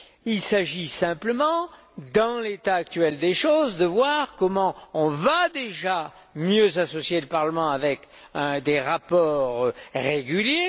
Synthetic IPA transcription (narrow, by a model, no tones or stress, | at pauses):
ilsaʒisɛ̃pləmɑ̃ | d̪ɑ̃let̪aːk̚t̪ɥɛld̪eʃozd̪əvwaʁkɔmɑ̃ɔ̃vad̪eʒa | mjøzasɔsjeləpaʁləmɑ̃avɛk | d̪eʁapɔʁʁeɡʲylje